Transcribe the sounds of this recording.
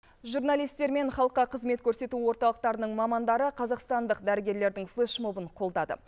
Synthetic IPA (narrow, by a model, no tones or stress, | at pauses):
ʒurnalijst̪e̞ɾme̞ɴχɑlˠəqːɑqʰəzme̞t̪kʲʰɵɾse̞t̪uwo̞ɾt̪ɑlˠəq̚t̪ɑɾənəɴmɑmɑnd̪ɑɾəqʰɑzɑqst̪ɑnd̪əqd̪æɾɪɡʲe̞ɾle̞ɾd̪ɪŋflˠeʃmo̞bəɴqʰo̞lˠd̪ɑd̪ə̰